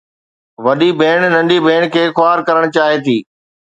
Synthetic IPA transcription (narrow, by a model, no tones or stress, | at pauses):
ʋɐɗibʱeːɽ̃nɐ̃ɳɖibʱeːɽ̃kʰeːxʊaːɾkɐɾəɽ̃t͡ɕaːɦit̪iː